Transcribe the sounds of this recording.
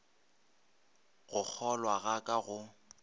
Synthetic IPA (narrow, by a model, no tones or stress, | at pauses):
ɣʊk͡xʰɔlwaɣakʼaɣʊ